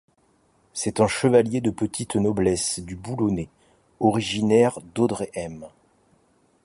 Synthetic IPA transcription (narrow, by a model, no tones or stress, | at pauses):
sɛt̪ɛ̃ʃəvaljed̪əpət̪ʰit̪nɔblɛsd̪ybulone | ɔʁiʒinɛʁd̪od̪ʁeʔɛm